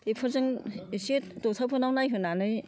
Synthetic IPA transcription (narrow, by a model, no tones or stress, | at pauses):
epʰɯɾzɯŋset̚tɔtʰapʰɯnawnajɦɯnanɯj